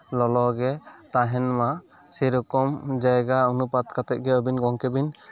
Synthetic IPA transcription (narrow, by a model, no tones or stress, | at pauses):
lɔlɔɡɛt̪aɦɛnma | sɛɾɔkɔmd͡ʒajɡaunupat̪kat̪ɛʔ̚ɡɛəbinɡɔŋkɛbin